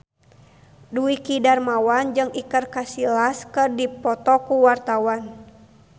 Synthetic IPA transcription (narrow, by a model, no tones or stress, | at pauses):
duikidarmawand͡ʒɨŋikərkasilaskɨrdipɔt̪ɔkuwart̪awan